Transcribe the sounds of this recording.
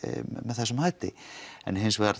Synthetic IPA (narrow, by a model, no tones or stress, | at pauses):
mɛðθɛsɛmhajt̪ɪ̰ɛ̰nɦɪnsvɛɾ